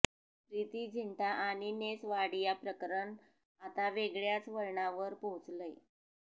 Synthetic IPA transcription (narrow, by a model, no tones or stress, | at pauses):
pɾit̪iːd͡ʑʱiɳʈaʔaɽ̃inesʋaɽijapɾəkəɾəɳ | at̪aʋeɡɭjat͡sʋəɾɳaʋəɾpoɦut͡sləj